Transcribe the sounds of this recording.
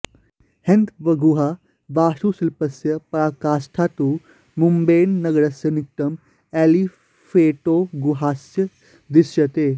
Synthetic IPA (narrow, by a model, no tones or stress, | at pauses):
hɐ̃nt̪ʋɐɡuɦa | ʋaːʃuːsɪlpəsjəpɐɾaːkaːsʈʰaːt̪uː | mumbeːnːɐɡɽɐsjɐnɪk̚ʈɐm | ɛːli | fʰeːʈoːɡuɦaːsjə | d̪ɪsjɐt̪eː